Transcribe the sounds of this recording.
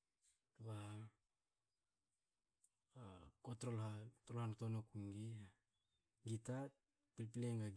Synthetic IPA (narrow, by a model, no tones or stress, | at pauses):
tuβa | kotɾolhatolhanotonokuŋɡi | ɡita | pilpileŋɡaɡ